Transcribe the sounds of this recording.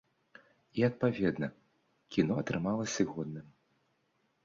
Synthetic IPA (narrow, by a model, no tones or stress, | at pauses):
iɐt̪̚pavʲɛd̪nɐ | kʲinɔɐt̪ɾɨmalˠɐsʲɨɣɔd̪nɨm